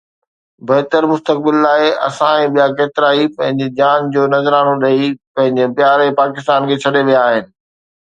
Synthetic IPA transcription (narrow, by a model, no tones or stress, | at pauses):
bɐɦt̪əɾmʊst̪ək̚bɪlːaːeʔɐ̰sãẽɓijakeːt̪ɪɾaːipɐ̃ɦɪ̃ɲd͡ʑed͡ʑaːnd͡ʑoːnɐzɾaːnoɗɐipɐ̃ɦɪ̃ɲd͡ʑepjaːɾepaːkɪst̪aːnkʰeːt͡ɕʰɐɗeʋijaːɦɪnɪ̆